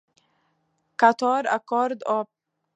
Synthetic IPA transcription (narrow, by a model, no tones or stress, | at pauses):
kʰat̪ʰɑːɾa̰kʰɔɾd̪ɔ